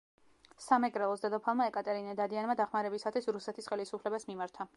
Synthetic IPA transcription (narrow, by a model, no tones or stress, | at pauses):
samɛkʼɾɛlˠɔsd̪ad̪ɔpʰalˠmaɛkʼat̪ʼɛɾinɛd̪ad̪ianmad̪aχmaɾɛbisat̪ʰwisɾusɛt̪ʰisχɛlisupʰlɛbasmimaɾt̪ʰa